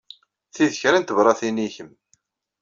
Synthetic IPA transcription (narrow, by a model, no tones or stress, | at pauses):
θiðəçɾænt̪əvɾˤɑθiniçəm